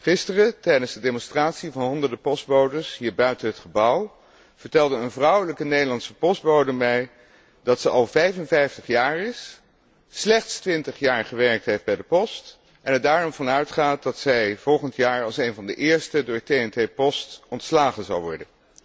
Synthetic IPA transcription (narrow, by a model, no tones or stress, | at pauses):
χɪstərətɛjdənzdədemɔnstraːtsivɑnɦɔndəɹdəpɔsd̚bowdəɹsɦiːɹbœɥtənɦətχəbʌw | v̥əɹtɛlˠdəənvrʌwələkənejdəlɑnsəpɔsd̚bowdəmɛj | dɑtsəʔɑlˠvɛjvənvɛjftəχjaːɹɪsː | lɛχtstʋɪntəχjaːɹχəʋɛɹk̚tɦejfdbɛjdəpɔst | ʔɛnədaːɹɔmvɑnœɥtχaːt̚dɑtsɛjv̥ɔlˠχəntjaːɹɑlˠsejnvɑndəʔɪːɹstədʊːɹtejɛntejpɔstɔntslaːχənzɑ̰wʋɔ̰ɹdən